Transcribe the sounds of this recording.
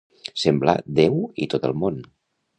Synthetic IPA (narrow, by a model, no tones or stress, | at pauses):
sembla̰d̪ewit̪ot̪əlˠmon